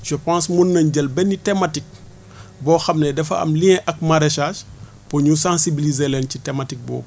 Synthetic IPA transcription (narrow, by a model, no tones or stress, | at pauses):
ʃəpãnsmunːɐɲɟɐlbɛnːitɛmatik̚ | bɔːxɐmnɛdɛfɐ̰ɐ̰mliɲɛʔɐk̚mɐɾɛʃaːʃ | pɔɲusãnsibilizelɛncitɛmatik̚bɔ̰ː